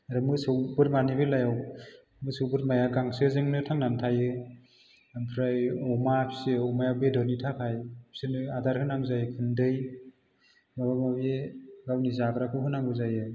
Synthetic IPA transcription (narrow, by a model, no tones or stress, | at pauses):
aɾɯmɯsɯwbɯɾmanibɯlajaw | mɯsɯwbɯɾmajaɡaŋsɯzɯŋnɯtʰaŋnantʰajɯ | ampʰɾajɔmapʰseɔmajawbedɔnitʰakʰajpʰsenɯadaɾhɯnamzajɯkʰɯndɯj | mabamabeɡawnizabɾakʰɯɦɯnaŋbɯzajɯ